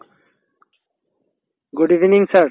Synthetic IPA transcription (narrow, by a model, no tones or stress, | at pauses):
ɡuɖivniŋsaʈ